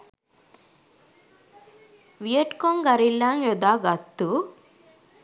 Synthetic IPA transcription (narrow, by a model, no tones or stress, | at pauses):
ʋijeʈkoŋɡɐɾilːaːŋjɔd̪aːɡɐt̪ːu